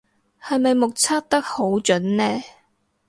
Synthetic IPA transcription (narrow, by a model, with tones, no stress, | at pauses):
hɐ˨jmɐ˨jmʊ˨k̚t͡sʰa˥k̚t̪ɐ˥k̚ho˨˥wt͡ʃɵ˨˥nnɛː˥